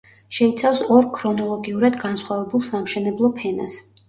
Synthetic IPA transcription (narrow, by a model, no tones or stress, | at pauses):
ʃɛit̪sʰafsɔɾkʰɾɔnɔlˠɔɡiuɾad̪ɡansχwavɛbulˠsamʃɛnɛblˠɔpʰɛnas